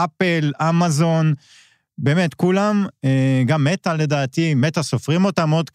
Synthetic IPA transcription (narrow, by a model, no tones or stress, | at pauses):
apelamazo̞n | be̞ːme̞t̪kulameɡamːe̞t̪ale̞d̪aːt̪imet̪asofʁimo̞t̪amod̪